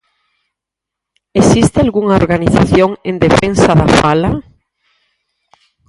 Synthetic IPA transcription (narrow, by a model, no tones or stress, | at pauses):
esist̪ealɣuŋaoɾɣaniθa̰θjoŋend̪efensaðafala